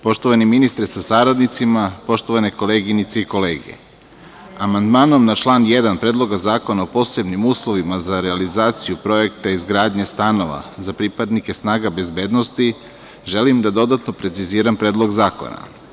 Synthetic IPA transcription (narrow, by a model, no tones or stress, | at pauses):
po̞ʃt̪o̞ʋaniminist̪ɾesasaɾad̪nit̪simapo̞ʃt̪o̞ʋane̞ko̞leːɡinit̪seiko̞leːɡe̞̰ | amand̪maːno̞mnat͡ʃlˠaːnjed̪anpɾed̪lˠo̞ɡazaːko̞naopo̞ːse̞bnimuːslˠo̞ʋimazaɾealizaːt̪sijupɾo̞e̞kt̪aizɡɾaːd̪ɲest̪ano̞ʋa̰zapɾipad̪nike̞snaːɡabe̞zbeːd̪no̞st̪i | ʒe̞limd̪ad̪o̞d̪at̪no̞pɾe̞t̪siziːɾampɾe̞ːd̪lˠo̞ɡzaːko̰na̰